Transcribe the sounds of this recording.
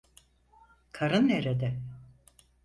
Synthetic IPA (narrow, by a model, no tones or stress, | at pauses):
kʰaɾɯnːeɾed̪ɛ